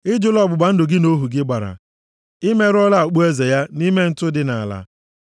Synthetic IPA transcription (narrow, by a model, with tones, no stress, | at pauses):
ɪ˦d͡ʒʊ˦lɔ˦bʊ˨ɡ͡ba˨n̩˦dʊ˨ɡɪ˦no˦ɦu˨ɡɪ˦ɡ͡ba˨ɾa̰˨ | ɪ˦me˦ɾɔ˦la˦˨k͡pu˦e˦ze˨ja˦ni˦me˦n̩˦tʊ˦dɪ˨na˨a˨la̰˦